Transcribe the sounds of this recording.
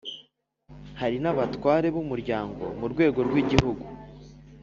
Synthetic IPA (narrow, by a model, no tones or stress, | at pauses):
haɾinaβatwaːɾe̞βumuɾɟaːŋɡo̞̰muɾɡwe̞ːɡo̞ɾɡwiɟihuɡu